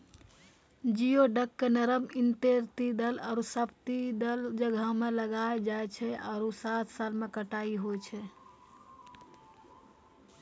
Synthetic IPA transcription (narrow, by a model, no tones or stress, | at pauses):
d͡ʒijoɖəkːenəɾəmint̪eɾt̪id̪əla̰ɾusəpt̪id̪əld͡ʒəɡʱəmeləɡaed͡ʒaet͡ʃʰɛa̰ɾosat̪ʰsalmekəʈaiɦojt͡ʃʰɛ